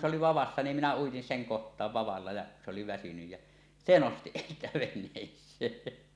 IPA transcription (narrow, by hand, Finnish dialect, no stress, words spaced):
ŋe oli ʋɑʋɑsːɑ nim minæ uitin seŋ kohtˑɑːʋ ʋɑʋɑlːɑ jɑ se oli ʋæsynyj jæ se nosti siːtæ ʋenˑeːsˑeː